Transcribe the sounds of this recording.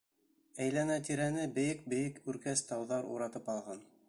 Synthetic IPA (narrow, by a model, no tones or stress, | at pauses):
æjlænæt̪iɾænɘbɘ̆jɘk̚bɘ̆jɘkʉɾkæst̪ɑwðɑɾṵɾɑt̪ɤpɑlˠʁɑn